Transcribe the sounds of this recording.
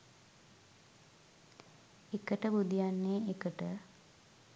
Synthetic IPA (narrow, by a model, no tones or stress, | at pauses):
ekəʈəbud̪ijanːeːekəʈə